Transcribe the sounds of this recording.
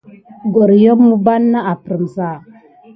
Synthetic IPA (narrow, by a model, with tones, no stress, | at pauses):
ɡo˨ɾjo˦mːu˦ba˦nːa˦a˨pɾə˨m˨za˦˨